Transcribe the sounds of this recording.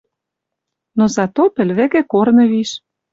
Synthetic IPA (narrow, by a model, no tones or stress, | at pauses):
nozɑt̪opɘ̆lβĕɣĕkornɤ̆βiʃ